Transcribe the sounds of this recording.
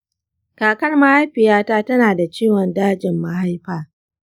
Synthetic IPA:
kaː˨kɐ˦rmɐ˦ha˦jɸɪ˨jaː˦taː˦tɐ˦naː˨da˨t͡ʃiː˦wɔ˨ndaː˦d͡ʒɪ˨mːa˦ha˦jɸaː˨

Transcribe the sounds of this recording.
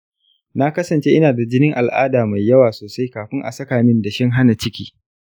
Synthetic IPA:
na˦kɐ˦sɐ˨nt͡ʃe˦ʔɪ˦naː˨da˨d͡ʒɪ˦nɪ˦ŋʔa˨lʔa̰ː˦daː˨ma˨jːɐ˦waː˨soː˨sa˦jkaː˨ɸɪ˦ŋʔa̰˨sɐ˦kaː˨mɪ˦nda˨ʃɛ˦ŋɦa˦na˨t͡ʃɪ˦kʲḭː˦

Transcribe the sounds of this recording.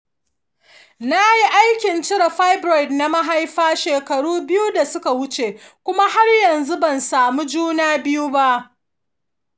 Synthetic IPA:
na˦ji˦ʔa˦jkʲɪ˨nt͡ʃɪ˦ɽa˨ɸa˦jbɾɔ˨jdna˦ma˦ɦa˦jɸaː˦ʃeː˨kɐ˨ɽuː˦bɪ˦ju˦da˨sʊ˦ka˨wʊ˦t͡ʃe˨ | kʷʊ˦ma˦ha˦rjɐ˨nzu˦bɐ˨nsaː˨mu˦d͡ʒuː˦naː˦bɪ˦ju˦ba˦ʔ

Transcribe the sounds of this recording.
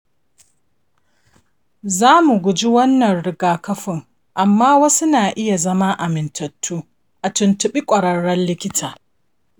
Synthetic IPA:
zaː˦mu˨ɡʷʊ˨d͡ʒi˦wɐ˦nːɐ˨nɽɪ˨ɡaː˨kɐ˦ɸɪ˨ŋ | ʔa˨mːaː˦wɐ˦sʊ˦naː˨ʔɪ˦ja˨zɐ˦ma˦ʔa˨mɪ˨ntʰɐ˨tʰːuː˦ | ʔa˨tʊ˨ntʊ˨ɓi˦kʷʼɐ˨ɽɐ˦ɽːɐ˦nlɪ˦kʲɪ˦tʰaː˨

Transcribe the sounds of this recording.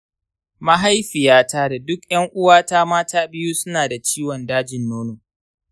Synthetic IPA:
ma˦ɦa˦jɸɪ˨jaː˦taː˦da˨dʊ˦kj̰ɐ˦ŋʔʊ˦waː˦taː˦maː˦tʰaː˦bɪ˦juː˦sʊ˦naː˨da˨t͡ʃiː˦wɔ˨ndaː˦d͡ʒɪ˨nːoː˦no˨

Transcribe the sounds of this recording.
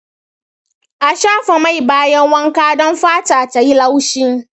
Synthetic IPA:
a˨ʃaː˦fa˨ma˦jbaː˦jɛ˦ŋwɐ˦ŋkaː˦dɔ̃˦nfaː˦taː˨ta˨ji˦la˦wʃi˦ŋ

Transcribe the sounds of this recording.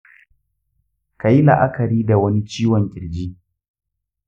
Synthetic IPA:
ka˨ji˦lɐ̰˨ʔa˦kɐ˨ɾiː˦da˨wɐ˦ni˦t͡ʃiː˦wɔ˨ŋkʲʼɪ˨ɽd͡ʒiː˦

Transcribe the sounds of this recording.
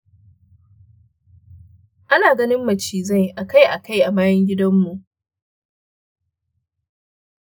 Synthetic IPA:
ʔa˦naː˨ɡɐ˦nɪ˦mːɐ˨t͡ʃiː˨zɐ˦˨jʔa˨ka˦˨jʔa˨ka˦jʔa˨maː˦jɛ˦ŋɡʲɪ˦dɐ˦mːu˨ʔ

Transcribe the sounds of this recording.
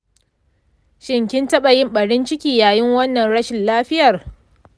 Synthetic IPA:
ʃɪ˨ŋkʲɪ˦ntɐ˦ɓɐ˨jɪ˦mɓɐ˨ɽɪ˦nt͡ʃɪ˦kʲiː˨jaː˨jɪ˦ŋwɐ˦nːɐ˨nɽɐ˦ʃɪ˨nlaː˦ɸɪ˦jɐ˨r

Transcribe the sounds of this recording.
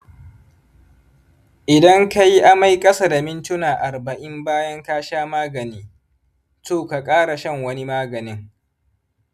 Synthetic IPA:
ʔɪ˨dɐ˦ŋka˦ji˦ʔa˦ma˦jkʼɐ˦sa˨da˨mɪ˦ntʊ˦naː˨ʔa˨rbɐ˨ʔɪ˦mbaː˦jɐ˦ŋkaː˦ʃaː˦maː˦ɡɐ˨niː˦ | toː˦˨ka˨kʼaː˦ɽa˨ʃɐ˦ŋwɐ˦ni˦maː˦ɡɐ˨nɪ˦ŋ

